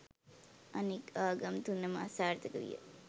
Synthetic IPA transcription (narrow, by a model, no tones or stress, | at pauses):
ɐnikaːɡɐmt̪unːɐməɐsaːɾt̪əkəʋḭjə̰